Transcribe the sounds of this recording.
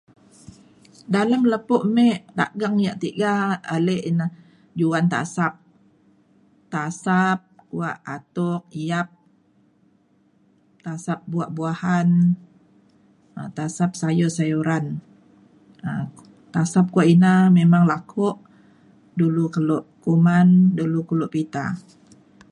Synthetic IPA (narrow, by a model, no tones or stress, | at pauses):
daləmləpʊʔmeʔt̪a̰ʔɡaŋjaʔt̪iɡaːleʔina | d͡ʒuant̪a̰sap̚ | t̪asap̚kuaʔat̪ʊk̚iap̚ | t̪asap̚buaʔbuahan | ət̪asap̚sajosajuɾan | ə | t̪asap̚kuaʔinamemaŋlakʰʊʔ | dulukəlʊʔkumandulukulʊʔpit̪a̰